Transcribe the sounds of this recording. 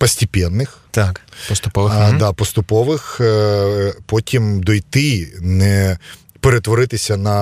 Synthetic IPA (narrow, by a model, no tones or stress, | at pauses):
pɐsʲtʲipʲɛnːɪxt̪akpɔst̪ʊpɔʋd̪ɑpɔst̪ʊpɔʋɪx | pɔtʲimd̪ɔjt̪ɪnɛ | peɾet̪ʋɔɾɪt̪ɪsʲɐnɐ